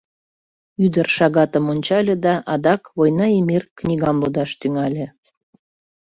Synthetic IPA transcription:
yd̪ərʃɑɣɑt̪əmonʲt͡ɕɑlʲed̪ɑʔɑd̪ɑkβojnɑemirknʲiɣɑmlud̪ɑʃt̪yŋɑlʲĕ

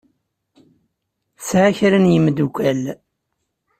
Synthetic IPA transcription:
sʕaçɾənjəmd̪ukʷæl

